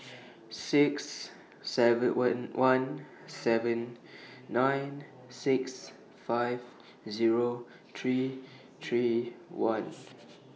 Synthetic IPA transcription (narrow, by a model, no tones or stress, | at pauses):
sɪksː | ɛvənwʔãn | sɛvə̃nː | ãɪn | sɪks | faɪv | ziɹo | t̪ʰɹi | t̪ʰɹiwãn